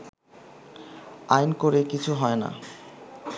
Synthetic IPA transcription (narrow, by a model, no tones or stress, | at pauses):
ajnkoɾekit͡ɕʰuɦɔena̰